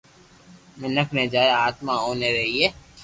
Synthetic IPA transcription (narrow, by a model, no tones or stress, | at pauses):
mɪ̃nəkʰned͡ʒaːjaːt̪mãɦoːneɾɐɦieː